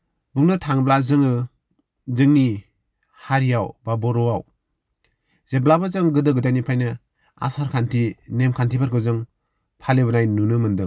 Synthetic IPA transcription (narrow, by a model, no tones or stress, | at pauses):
buŋnɯtʰaŋblazɯŋɯ | zɯŋni | haɾijawbabɔɾɔaw | z̥eblabazɯŋɡɯdɯɡɯdajnipʰajnɯ | a̰saɾkʰantʰinemkʰantʰibaɾkʰɯwzɯŋ | pʰalɯbɯnajnunɯmɯndɯŋ